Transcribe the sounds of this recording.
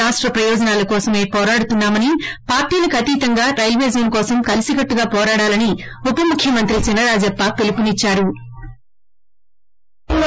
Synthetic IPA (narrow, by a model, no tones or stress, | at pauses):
aːʂʈɾɐpɾɐjɔːd͡ʒɐnaːlɐkɔːsɐme̞ːpɔːɾaːɽut̪unːaːmɐnipaːɾʈiːlɐkʰɐt̪iːt̪ɐŋɡaːɾɐjlʋeːd͡ʒɐnkɔːsɐmkɐlisiɡɐʈːuɡaːpɔːɾaːɽaːlɐniupɐmukʰjɐmɐnt̪ɾit͡ʃinːɐɾaːd͡ʒɐpːaːpelukunit͡ʃːaːɾu